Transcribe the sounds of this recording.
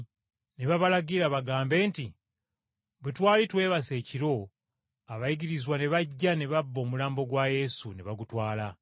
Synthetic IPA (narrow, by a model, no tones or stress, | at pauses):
neβaβalaɡiɾaβaɡaːmbe̞ːnti | βutwaːlitwe̞ːβase̞ːciɾo̞ | aβajiɡiɾizwaneβaɟːaneβabːo̞ːmulaːmbo̞ɡwaje̞suneβaɡutwaːla